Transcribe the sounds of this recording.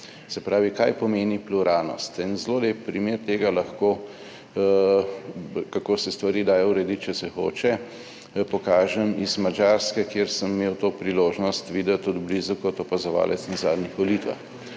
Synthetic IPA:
sɛpɾaːʋikajpɔmeːnipluɾaːlnɔ̰st̪inzloːlep̚pɾimeːɾt̪eːɡalɐxkoː | kakoːsɛst̪ʋaɾiːd̪aːjɔuɾɛd̪it̪̚t͡ʃɛsɛxo̰ːt͡ʃɛ | pɔkaːʒɛmizmad͡ʒaɾskɛkjeːɾsəmmeːwt̪oːpɾiloːʒnɔst̪ʋiːd̪ət̪ːɔd̪blizukɔt̪ɔpazɔʋa̰ːlɛt̪snɛzaːd̪nixʋɔliːt̪ʋa̰x

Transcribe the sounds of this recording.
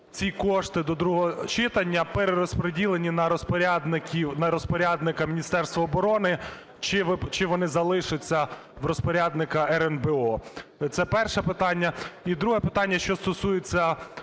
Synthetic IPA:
t͡sʲikɔʃt̪ɪd̪ɔd̪ɾuɦɔɔt͡ʃɪt̪ɐnʲːɐpeɾeɾɔspɾedʲilˠenʲinɐpɾʲd̪nkʲiwnɐɾɔspɔɾʲad̪nɪkɐmʲinʲist̪ɛrst̪ʋɐːbɔɾɔnɪ | t͡ʃɪt͡ʃɪʋɔnɪzɐlˠɪʃɪt͡sʲːɐ | ʋrɔspɔɾʲad̪nɪkɐɛɾɛnbɛɔt̪sɛpɛrʃɛpɪt̪ɑnʲːɐid̪ɾuɦɛpɪt̪ɑnʲːɐʃt͡ʃɔst̪ɔsujet͡sʲːɐ

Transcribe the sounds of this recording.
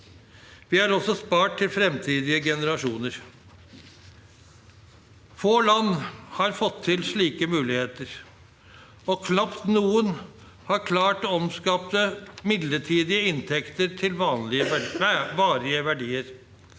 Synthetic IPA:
ʋɪɑɾɔsːɔspɑːʈ̚ʰɪlfɾɛmt̪ʰiːd̪ɪəɡɛnəɾɑʂuːnəɾ | foːlɑnːhɑɾfɔt̪ʰːɪlʂɭiːkəmʉːlɪheːt̪əɾ | ɔkʰnɑpt̪nuːən | hɑɾkʰlɑːʈɔmskɑːpt̪əmɪd̪ləʈʰiːd̪ɪəɪnt̪ʰɛkt̪əɾʈ̪ʰɪlʋɑːnlɪəʋɑːɾɪəʋæɖiːəɾ

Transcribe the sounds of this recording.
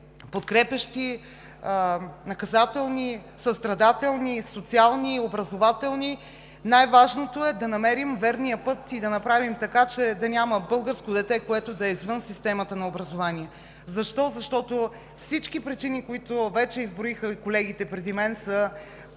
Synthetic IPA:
pot̪kɾɛpʲɐʃt̪i | nɐkɐzat̪ɛlˠni | sɐst̪ɾɐd̪at̪ɛlˠnisot̪sialˠniobɾɐzovat̪ɛlˠni | najvaʒnot̪oɛd̪ɐnɐmɛɾimvɛɾnijəpɤt̪id̪ɐnɐpɾavimt̪ɐkat͡ʃɛd̪ɐnʲaməbɤlˠɡəɾskod̪ɛt̪ɛkoɛt̪od̪ɐɛizvɤnsist̪ɛmət̪ənɐobɾɐzovaniɛ | zɐʃt̪ɔzɐʃt̪ɔt̪o | fsit͡ʃkipɾit͡ʃinikoit̪ovɛt͡ʃɛizbɾoixəikolɛɡ̟it̪ɛpɾɛd̪imɛnsə

